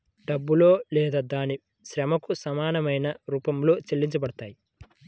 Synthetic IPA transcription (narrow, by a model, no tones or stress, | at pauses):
ɖɐbːulo̞ːlɛːd̪aːd̪aːni | ʃɾɐmɐkusɐmaːnɐmɐjnɐɾuːpɐmlo̞ːt͡ʃelːiɲt͡ʃɐbɐɽɐt̪aːji